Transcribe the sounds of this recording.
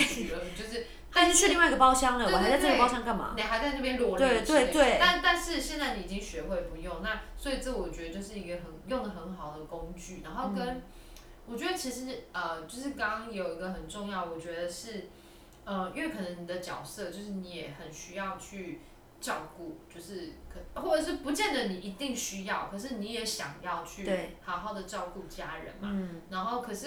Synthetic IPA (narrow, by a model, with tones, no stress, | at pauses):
ə˧˩t͡ɕjo˥˧ʊʂ̬ɻ̩˥˩ | a˥ʂ̩˥ʂɻ̩˥˧li˥˧wi˧ɡə˩pɑ˥ʊɕjɑ˥ŋd̪ə˨w̪ɔ˨˩ha˧˥t͡sʈ͡ʂə˥˩ɡə˨˧pɑ˥ʊɕjɑ˥ŋka˥˩nma̰˨ne˨˩xa˧˥ɪt͡sa˥˧ɪna˥˩bjɛ˥nlwɔ˥˧w̪we˥˩ɪt̪we˥˩ɪt̪a˥˧nt̪a˥˧nʂɻ̩˥˧ɕjɛ˥˧nt͡sa˥˩ɪni˨˥i˨˩i˦ŋɕɥɛ˧˦xwe˥˩ɪpu˧˦jo˥˨ŋna˥˨swɔ˧˥i˨˩t͡sə˥˩˨wɔ˨˩t͡ɕɥɛ˧d̪ə˧t͡ɕjo˥˧ʊʂɻ̩˥˩i˧˥ɡə˨xə˧˩njo˥˩ŋd̪ə˩xə˧˦˥nxɑ˨˩ʊd̪ə˩ko˦˥ŋt͡ɕy˥˩na˧˥nxo˥˧ʊkə˦˥n | wɔ˨˩t͡ɕɥɛ˧˥d̪ə˧t͡ɕʰi˧˥ʂɻ̩˧˥ə˩t͡ɕjo˥˧ʊʂ̬ɻ̩˥˩kɑ˥ŋɑ˥ŋjo˨˩ʊi˧˥ɡə˨xə˨˩nʈ͡ʂʊ˥˧ŋjɑ˥˩ʊwɔ˨˩t͡ɕɥɛ˧˥d̪ə˧ʂɻ̩˥˩ | ə˧iy˥˧wɛ˥˩kʰɤ˨˩nə˧˦ŋni˨˩d̪ə˦t͡ɕjɑ˨˩ʊsɤ˥˧t͡ɕjo˥˧ʊʂ̬ɻ̩˥˩ni˧˥jɛ˨˩xə˨˩nɕy˥jɑ˥˧ʊt͡ɕʰy˥˩ | t͡ɕɑ˥˧ʊku˥˩t͡ɕjo˥˧ʊʂɻ̩˥˩kʰxwɔ˥˩ʈ͡ʂə˨˩ʂ̬ɻ̩˥˩pu˧˥t͡ɕjɛ˥˩nd̪ə˨˩ni˨˩i˧˥t̪i˥˩ŋɕy˥jɑ˥˩ʊkʰɤ˨˩ʂ̬ɻ̩˥˩ni˧˥jɛ˨˧˥ɕjɑ̰˨˩ŋjɑ˥˧ʊt͡ɕʰy˥˩˥hɑ˨˩ʊxɑ˥˩ʊd̪ə˩t͡ɕɑ˥˧ʊku˥˩t͡ɕja˦ɻə̰˨˧˦nma̰˨na˧˥nxo˥˩ʊkʰɤ˨˩ʂɻ̩˥˨